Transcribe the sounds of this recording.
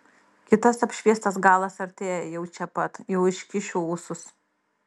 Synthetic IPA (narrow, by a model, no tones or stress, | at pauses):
kʲɪt̪ɐsɐpʲʃʲʋʲiɛst̪ɐs̬ɡɑːlˠɐsɐɾʲt̪ʲeːjɛjɛʊt͡ʃʲɛpɐt̪jɛʊɪʃʲkʲɪʃʲuːuːsʊs